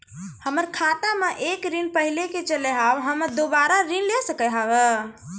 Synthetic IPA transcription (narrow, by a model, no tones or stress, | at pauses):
həməɾkʰat̪ameʔekɾinpəɦileket͡ʃəleɦawɦəməd̪obaɾaɾinlesəkəɦawə